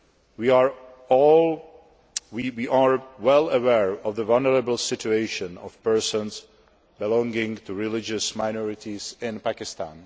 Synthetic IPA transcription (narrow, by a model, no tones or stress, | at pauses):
wiəɹ | ɔlˠ | wiwiʔaɹwɛlˠəwɛɹɔvðəvalˠnəɹəbl̩ˠsɪt͡ʃueɪʃɨ̃nɔ̰v̥pɜ˞sə̃nz | bɪlɔ̃ŋɡɪ̃ŋtʰɨɹɪlɪd͡ʒɨsmaɪnɔɹɨtizɪ̃npækɪstã̰n